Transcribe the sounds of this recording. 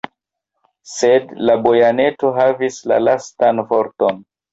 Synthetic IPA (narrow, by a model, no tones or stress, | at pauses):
sedlabo̞jane̞toɦavisla̰lastanfoɾton